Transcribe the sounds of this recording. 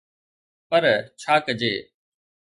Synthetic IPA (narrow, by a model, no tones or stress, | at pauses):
pəɾt͡ʃʰaːkəd͡ʒeː